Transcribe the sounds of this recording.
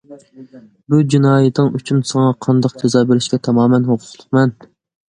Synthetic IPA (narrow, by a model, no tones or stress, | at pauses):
bud͡ʒinɑːjɪt̪ʰɨŋyt͡ʃʰynsɨŋɑqʰɑnd̪ɑqd͡ʒezɑːbeɾɪʃkʲɛt̪ʰɑmɑːmɛnhoqʰʊ̥lˠʊ̥qmɛn